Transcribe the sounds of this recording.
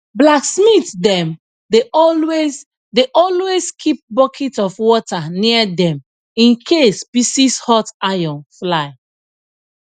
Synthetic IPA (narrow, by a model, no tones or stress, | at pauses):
blaksmitdɛ̃m | deʔɔlwes | deʔɔlweskʰip̚bɔkʰitɔfwɔtaniadɛ̃m | ĩnkʰespisishɔtajɔ̃nflaɪ